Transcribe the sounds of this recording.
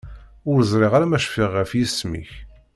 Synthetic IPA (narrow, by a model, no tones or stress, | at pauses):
ʊɾzˤɾɪʁaɾamæʃfiʁːəfjismḭç